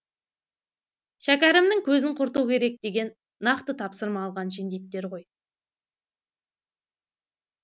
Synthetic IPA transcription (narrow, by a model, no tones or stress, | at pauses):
ʃækʲæɾɪmnɪŋkʲʰɵzɪɴqʰʊɾt̪ukʲʰe̞ɾe̞k̚d̪e̞ɡʲe̞nː | ɑqt̪ət̪ʰɑpsəɾmɑːlˠʁɑnʃ̬end̪e̞t̪ːe̞ɾʁo̞j